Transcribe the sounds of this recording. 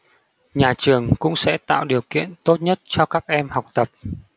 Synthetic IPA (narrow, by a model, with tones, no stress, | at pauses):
ɲaː˨˩t͡ɕɨ˨˩əŋkʊ̰˧˥ŋ͡msɛ̰˧˥t̪a̰ː˧˨wɗi˨˩əwkḭ˧˨ənt̪o˦˥t̚ɲə˦˥t̚t͡ɕɔ˧kaː˦˥k̚ʔɛ˧mha˨˩wk͡p̚t̪ə˨˩p̚